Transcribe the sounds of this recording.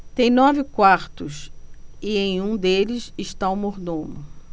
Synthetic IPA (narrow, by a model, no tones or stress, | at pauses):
t̪ẽj̃nɔvɪkwaɾt̪ʊsɪẽj̃ũd̪elɪsɪʃt̪aʊmoɾd̪õmʊ